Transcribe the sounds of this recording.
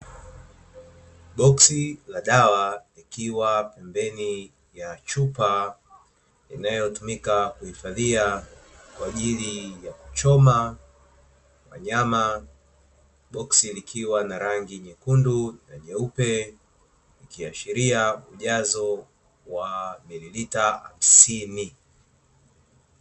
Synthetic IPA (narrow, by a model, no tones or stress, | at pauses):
ɓɔksilaɗawalikiwapɛmbɛni | jat͡ʃupa | inajɔtumikakuhifaðiakwaːʄilijaku̥t͡ʃɔma | wa̰ɲama | ɓɔksilikʰiwanaɾaŋɡiɲɛkundunaʄɛupɛ | likiaʃiɾiauʄazɔ | wamililitaha̰m̩sini